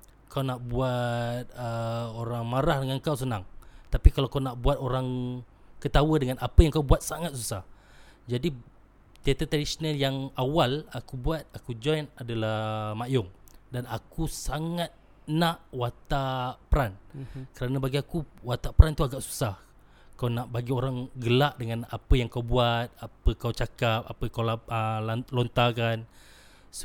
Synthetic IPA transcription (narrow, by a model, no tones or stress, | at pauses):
kawnaʔbuat̪̚əoɾaŋmaɾahdəŋankaws̬ənaŋt̪apikalawkawnaʔbuat̪oɾaŋkət̪awədəŋanapəjaŋkawbuat̪̚saŋat̪̚susah | d͡ʒadi | t̪iat̪at̪ɾadisonaljaŋawalakubuat̪̚akud͡ʒɔjnadalamajʊŋdanakusaŋat̪̚ | nãʔwat̪apəɾankəɾanabaɡiakuwat̪apəɾant̪uaɡaʔsu̥sah | kawnaʔbaɡioɾaŋɡəlaʔdəŋãnapəjaŋkawbuat̪̚apəkawt͡ʃakap̚apəkawlaəlont̪akan | s